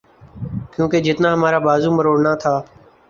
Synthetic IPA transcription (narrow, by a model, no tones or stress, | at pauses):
kjũːkeːd͡ʒɪt̪naːɦəmaːɾaːbaːzuːməɾoːɽnaːt̪ʰaː